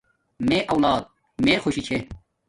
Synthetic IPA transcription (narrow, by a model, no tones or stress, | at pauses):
mẽːʔɐwlaːd̪̚ | mẽːxʰoɕit͡ɕʰe